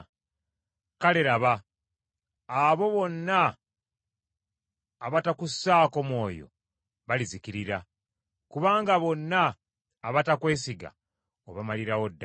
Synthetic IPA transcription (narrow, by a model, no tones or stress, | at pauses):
kale̞ɾaβa | βo̞βo̞nːa | βatakusaːkomwo̞ːjo̞̰ | βalizikiɾiɾa | kuβaːŋɡaβo̞nːaː | βatakwe̞ːsiɡa̰ | oβamaliɾawo̞dː